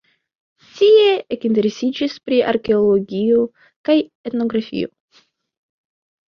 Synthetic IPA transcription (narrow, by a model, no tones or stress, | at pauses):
sieekinte̞ɾe̞sid͡ʒispɾiʔa̰ɾke̞olo̞ɡʲio̞ | kajetno̞ɡɾafḭo̞̰